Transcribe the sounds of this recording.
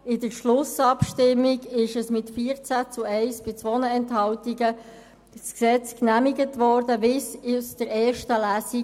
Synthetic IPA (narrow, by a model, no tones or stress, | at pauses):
ɪdəɾʃlʊsɑpʃtɪmːiɡɪʃəsmɪtfiəʁt͡sæt͡suɛɪsb̥ɪt͡sʋɔnəɛnthɑwtiɡə | sksɛt͡sknæmiɡətʋɔːɾdəvɪsɪsd̥əɾɛːɾʃtəlæːsi